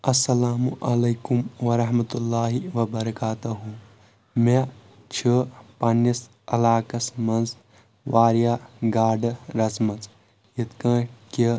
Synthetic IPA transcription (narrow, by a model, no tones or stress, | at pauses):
ɐsːɐlaːmuʔɐlɐjkumʋɐɾɐɦmɐt̪ulːaːɦiʋɐbɐɾɐkaːt̪uɦũ | me | t͡ʃʰipɐnɐs | ɐ̰laːkɐsmɐnz | ʋaːɾijaɡaːɖɾɐsmɐt͡s | jit̪kɐ̃ːki